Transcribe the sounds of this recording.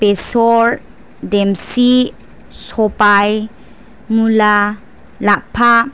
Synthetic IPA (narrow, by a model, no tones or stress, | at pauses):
pesɔɾ | dɛmsi | sɔpaj | mula | lapʰa